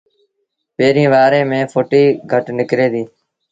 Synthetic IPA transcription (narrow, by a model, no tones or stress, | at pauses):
peːɾĩːʋaːɾẽːmẽːfʰoːʈiːɡʱəʈnɪkɾeːd̪iː